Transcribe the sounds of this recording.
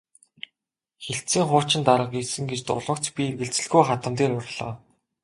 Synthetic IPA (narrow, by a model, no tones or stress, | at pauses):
xeɬtt͡siːŋχʊːt͡ɕɪ̆nt̪aɾə̆qisɘ̆ŋɡet͡ɕt̪ʊ̰ɮə̆kt͡spʲierɣɘ̆ɮt͡sɘ̆ɮɣujχat̪ə̆mt̪̬eːɾʊrɮ̥ɔ̰ː